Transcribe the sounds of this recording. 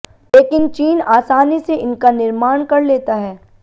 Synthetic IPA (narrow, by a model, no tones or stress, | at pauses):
leːkɪnt͡ʃiːnaːsaːniseɪnkanɪɾmaːɳ̃kɐɾleːt̪aɦɛː